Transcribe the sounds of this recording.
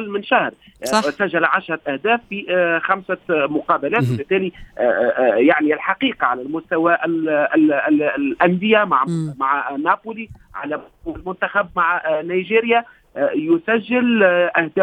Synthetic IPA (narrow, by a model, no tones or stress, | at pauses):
lːmɪnʃahɾˤ | sæʒːælʕaʃɾˤɑʔæhd̪æːfːixæmsamʊqɑːbælæːt̪wabɪt̪ːæːli | jaʕniɪlħɑqiːqɑʕalælmʊst̪æwæʔl | ʔænd̪ɪjæmaʕmaʕnaːpuːliʕa̰læ | wælmʊnt̪axæbmaʕnajʒiːɾɪja | jʊsæʒːɪlʔæhd̪æː